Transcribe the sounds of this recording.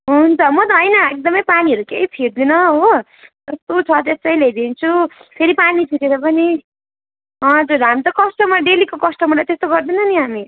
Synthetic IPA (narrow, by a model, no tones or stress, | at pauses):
ɦunt͡sʰʌmʌt̪ʌɦʌjnʌek̚d̪ʌmʌjpaniɦʌɾukeipʰiɾd̪inʌɦo | d͡zʌst̪ot͡sʰʌt̪esʌiled̪int͡sʰupʰeɾipanipʰiɾeɾʌp̬ʌni | ɦʌ̃d͡zuɾɦamit̪ʌkʌsʈʌmʌɖelikokʌsʈʌmrlajt̪est̪oɡʌrd̪inʌniɦami